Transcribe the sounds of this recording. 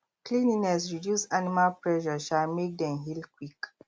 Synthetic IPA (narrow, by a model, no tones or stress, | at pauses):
klĩninɛs̬ɹidjusanimalpɹɛʃɔʃalmek̚dɛ̃mɦilkwik